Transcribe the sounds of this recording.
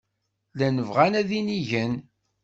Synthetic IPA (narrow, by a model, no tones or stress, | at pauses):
lænəvʁænæðiniʝən